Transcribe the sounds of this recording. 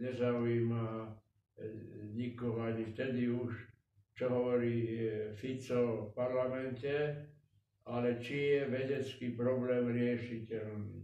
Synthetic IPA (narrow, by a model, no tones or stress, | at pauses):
ɲɛzaujima | ɲikɔɦɔaɲift̪ɛd̪iuʃ | t͡ʃɔɦɔʋɔɾiːfit͡sɔfpaɾlamɛntɛ | alɛt͡ʃijɛʋɛɟɛt͡skiːpɾɔblɛːmɾɪɛʃicɛlnḭː